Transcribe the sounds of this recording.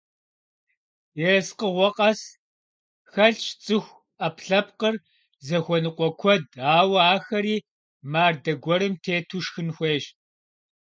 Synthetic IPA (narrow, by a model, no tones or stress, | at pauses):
jɛsqəʁʷɔqʼɐs | xɐɬt͡ʃt͡sʼɨxʷ | ɐpɬɐp̚qər | zɐxʷɔnɨqʷʼɔkʷʰɔd̚aːwɐaːxɐɾiː | maːrdɐɡʷɔɾɨmtʰeːtʰuʃxɨnxʷeːʃ